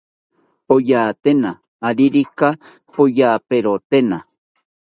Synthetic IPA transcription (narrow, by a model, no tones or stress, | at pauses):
pojaːt̪enaː | ɾiɾika | pojaːpeɾot̪ena